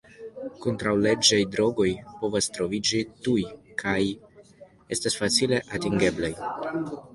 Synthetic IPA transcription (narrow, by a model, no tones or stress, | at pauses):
kontɾawle̞d͡ʒajdɾo̞ɡo̞jpo̞vastɾo̞vid͡ʒitujkʰaj | e̞stasfat͡sile̞ʔatiŋɡe̞blaj